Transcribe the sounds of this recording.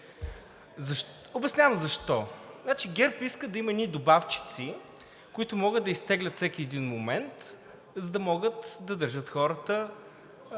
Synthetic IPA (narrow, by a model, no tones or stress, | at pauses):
zɐʃ | obɛsnʲavəmzɐʃt̪ɔnat͡ʃiɡɛɾpiskəd̪ɐimɐɛnid̪obaft͡ʃi̥t̪si | kʊit̪ʊmɔɡəd̪̚d̪ɐist̪ɛɡlʲət̪sɛkiɛd̪inmomɛnt̪ | zɐd̪ɐmɔɡət̪d̪ɐd̪əɾʒɤt̪xɔɾət̪ə